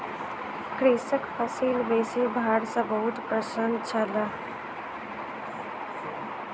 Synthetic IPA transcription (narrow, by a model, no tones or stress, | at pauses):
kɾisəkpʰəsilbeːsibʱaɽsə̃bəɦut̪pɾəsənt͡ʃʰələ